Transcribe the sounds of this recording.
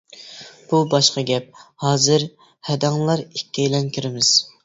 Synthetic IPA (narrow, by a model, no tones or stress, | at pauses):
b̥ubɑʃqɑɡʲɛp̚hɑːzɨɾ | hɛd̪ɑŋlˠɑɾikʲʰːɛjlɛnkʲʰyɾɪmɪz̥